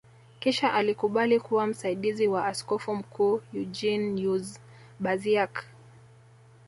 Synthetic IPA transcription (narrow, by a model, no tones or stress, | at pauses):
kiʃaʔalikuɓalikuwam̩saiɗiziwaaskɔfum̩kʰuːjud͡ʒinjuz | ɓaziak